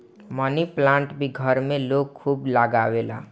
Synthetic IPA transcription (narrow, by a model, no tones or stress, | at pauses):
mʌniplaɳʈbiɡʱʌɾmelok̚kʰːublaɡawela